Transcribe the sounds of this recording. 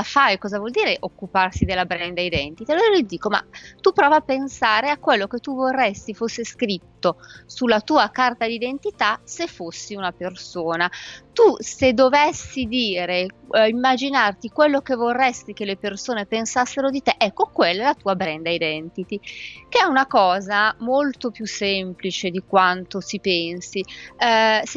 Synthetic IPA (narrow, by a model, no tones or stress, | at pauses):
afajkɔːzavwɔld̪iːɾeʔokːuparsid̪elːabɾɛnd̪aid̪ɛnt̪it̪ialoɾalid̪iːkoma̰t̪upɾɔːvapːensaːɾeakːwelːoket̪ːuvorːɛst̪ifosːeskɾit̪ːosulːat̪uːakart̪ad̪id̪ent̪it̪asefːosːiunapersoːnat̪used̪ovesːid̪iːɾeimːad͡ʒinart̪ikwelːokevorːɛst̪ik̟elepersoːnepensasːeɾod̪it̪eʔɛkːokwelːaɛlat̪uːabɾɛnd̪aid̪ɛnt̪it̪ikeɛunakɔːzamolt̪opjusemplit͡ʃed̪ikwant̪osipɛnsi | s